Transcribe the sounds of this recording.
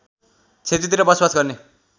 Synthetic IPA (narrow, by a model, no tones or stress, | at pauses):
t͡sʰet̪it̪iɾʌbʌswasɡʌrne